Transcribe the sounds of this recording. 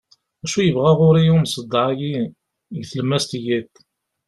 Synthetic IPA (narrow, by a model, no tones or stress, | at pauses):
æʃujəvʁæʁʊɾiumsəd̪ˤːʕaji | ɡθləmːæst̪jæt̪